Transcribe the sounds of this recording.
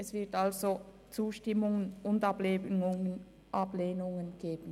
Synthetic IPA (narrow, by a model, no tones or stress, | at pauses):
ʔɛsv̥ɪɐtalzo | t͡suːʃtɪmʊŋənʊndableːʊŋən | ʔapleːnʊŋənɡ̥eːb̥ən